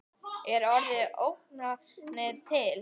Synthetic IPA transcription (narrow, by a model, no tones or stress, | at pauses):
ɛɾɔɾðɪʔowhk̚na | nɛɾt̪ʰɪl